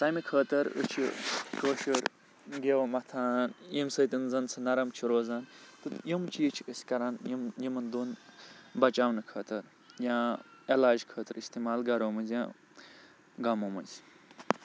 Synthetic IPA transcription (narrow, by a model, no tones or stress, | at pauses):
t̪ɐːjmikʰəːt̪ɐɾə̰t͡ʃʰḭkoːʃəɾ | ɡewmɐt̪ʰaːnjimsəːt̪inzɐnt͡sɐnɐɾɐmt͡ʃʰiɾoːzaːnt̪ɨjimt͡ʃʰijit͡ʃʰiəsʲkɐɾaːnjimjimɐnd̪uːnbɐt͡ʃaːwnɨkʰɐːt̪ɐɾ | jãːelaːd͡ʒkʰəːt̪ɨɾist̪imaːlɡɐɾoːmɐnzʲjã̰ː | ɡɐmomɐzʲ